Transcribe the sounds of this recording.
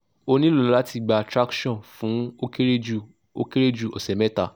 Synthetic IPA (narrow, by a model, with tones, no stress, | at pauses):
o˧nĩ˦lo˦˨o˨˧la˦ti˧˨ɡ͡ba˨˧a˧tɾa˦kʃɔ̃˦˨nfũ˨˦o˦ke˦ɾe˦d͡ʒu˨ | o˦ke˦ɾe˦d͡ʒu˦˨ɔ˨sɛ˨mɛ̃˦ta˦˨